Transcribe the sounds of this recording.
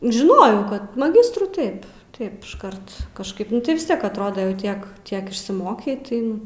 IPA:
ʒʲɪˈnoːjɛʊ ˈkɐt mɐˈɡʲɪstruː ˈtɐɪp ˈtɐɪp ɪʃˈkɐrt kɐʃˈkɐɪp nʊ ˈtɐɪ ʋʲɪs ˈtʲiɛk ɐtˈroːdoː jɛʊ ˈtʲiɛk ˈtʲiɛk ɪʃʲsʲɪˈmoːkʲɛɪ tɐɪ ˈnʊ

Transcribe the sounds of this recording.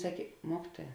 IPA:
ˈsɑːkʲeː ˈmuɔkʲɪtuɔjɛ

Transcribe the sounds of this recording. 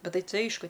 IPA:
ˈbʲɛt ˈtɐɪ ˈtɐɪ ˈɐɪʃkʊ

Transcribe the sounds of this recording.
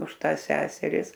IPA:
ʊʃ ˈtɑːs ˈsʲæːsʲɛrʲɪs

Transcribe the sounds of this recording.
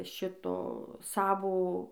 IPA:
ˈʃʲɪtoː ˈsɑːʋoː

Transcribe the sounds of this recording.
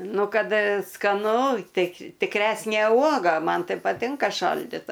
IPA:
ˈnʊ ˈkɐt skɐˈnʊ ˈtɐɪ tʲɪkˈrʲæːsʲnʲeː ˈuɔɡɐ ˈmɐn ˈtɐɪ pɐˈtʲɪŋkɐ ˈʃɐlʲdʲɪtɐ

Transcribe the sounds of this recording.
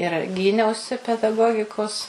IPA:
ɪr ˈɡʲiːnʲɛʊsʲɪ pʲɛdɐˈɡoːɡʲɪkoːs

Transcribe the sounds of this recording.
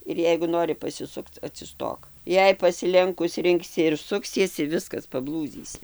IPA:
ɪr ˈjɛɪɡʊ ˈnoːrʲɪ pɐsʲɪˈsʊkt͡s ɐtʲsʲɪˈstoːk ˈjɛɪ pɐsʲɪˈlʲɛŋkʊs ˈrʲɪŋksʲɪ ɪr ˈsʊksʲiɛsʲɪ ˈʋʲɪskɐs pɐˈblˠuːd͡zʲiːsʲɪ

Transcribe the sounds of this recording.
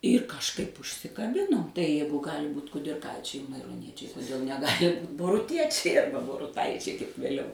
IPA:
ɪr kɐʃˈkɐɪp ʊʃʲsʲɪkɐˈbʲɪnoːm tɐɪ ˈjɛɪɡʊ ˈɡɑːlʲɪ ˈbuːt kʊdʲɪrˈkɐɪt͡ʃʲɛɪ mɐɪroːˈnʲiɛt͡ʃʲɛɪ kʊˈdʲeːlˠ nʲɛˈɡɑːlʲɪ ˈbuːt boːrʊˈtʲiɛt͡ʃʲɛɪ ˈɐrbɐ boːrʊˈtɐɪt͡ʃʲɛɪ kɐɪp ʋʲeːˈlʲɛʊ

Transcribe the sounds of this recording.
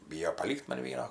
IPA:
ˈbʲiːjoː pɐˈlʲiːkt ˈmɐn ˈʋʲiɛnoː

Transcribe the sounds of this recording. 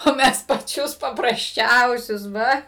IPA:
oː ˈmʲɛs pɐˈt͡ʃʲʊs pɐprɐsʲˈt͡ʃʲɛʊsʲʊs ˈʋɐ

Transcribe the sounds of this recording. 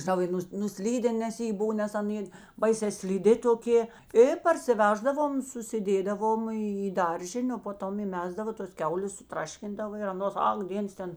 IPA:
ʒʲɪˈnɐʊ ɪ ˈnʊs nʊˈsʲlʲiːdʲɛn nʲɛs ˈjeː ˈbʊw nʲɛs ɐˈnʲeː ˈbɐɪsʲɛː sʲlʲɪˈdʲɪ toːˈkʲeː ɪ pɐrʲsʲɪˈʋʲæːʒdɐʋoːm sʊsʲɪˈdʲeːdɐʋoːm iː iː ˈdɐrʲʒʲɪnʲeː oː poː ˈtoːm iːˈmʲæːzdɐʋoː toːs ˈkʲɛʊlʲeːs sʊˈtrɑːʃʲkʲɪndɐʋoː ɪr ɐˈnoːs ˈɐk ˈdʲeːns ˈtʲɛn

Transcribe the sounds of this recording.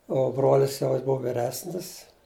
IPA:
ˈoː ˈbroːlʲɪs jɛʊ ˈjɪs ˈbʊʋʊ ʋʲɪˈrʲæːsʲnʲɪs

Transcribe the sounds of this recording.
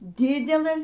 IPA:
ˈdʲɪdʲɛlˠɘs

